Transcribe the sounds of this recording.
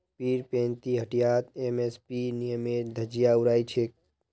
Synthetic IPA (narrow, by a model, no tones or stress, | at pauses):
piːɾpẽːnt̪iɦəʈijaːt̪emespinijəmeːd̪ʱəd͡ʒijauɾaːit͡ʃʰek̚